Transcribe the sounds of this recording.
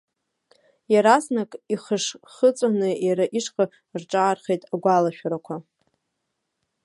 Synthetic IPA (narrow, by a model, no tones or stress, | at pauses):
jaɾaznakʼiχəʂχət͡sʷʼanɨjaɾaʔiʂqʼa | rʈ͡ʂʼaːrχejtʼaɡʷalaʃᶣaɾakʷʰa